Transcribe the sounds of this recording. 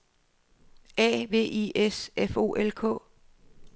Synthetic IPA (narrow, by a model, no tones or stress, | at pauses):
ɛ̰ːʋe̝̰ːʔiesefo̝̰ːʔelkʰɔ̰̽ː